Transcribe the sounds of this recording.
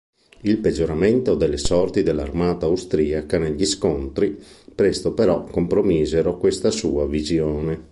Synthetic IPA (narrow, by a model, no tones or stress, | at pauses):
ilped͡ʒːoɾament̪od̪elːesɔrt̪id̪elːarmaːt̪aːwst̪ɾiːakaneʎːiskont̪ɾipɾest̪opeɾɔkompɾomiːzeɾokwest̪asuːavizjoːne